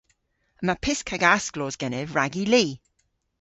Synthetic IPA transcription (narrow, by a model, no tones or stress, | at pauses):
əmapʰɪskʰaɡasɡ̥lɔːzɡɛnɪvɹaɡiliː